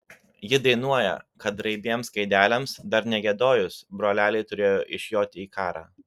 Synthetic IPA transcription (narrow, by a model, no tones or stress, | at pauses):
jɪd̪ɐɪnuɔjɛ̰kɐt̪̚ɾɐɪbʲiɛmskɐɪd̪ʲæːlʲɛmsd̪ɐɾnʲɛɡʲɛd̪oːjʊsbɾoːlʲæːlʲɛɪt̪ʊɾʲeːjoːʔɪʃʲjoːt̪ʲɪiːkɑːɾɑ̰ː